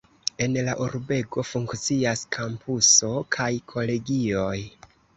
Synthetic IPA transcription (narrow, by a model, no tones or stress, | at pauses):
e̞nlaʔuɾbe̞ɡo̞fuŋkt͡siaskʰampʰuso̞kʰajkʰo̞le̞ɡio̞j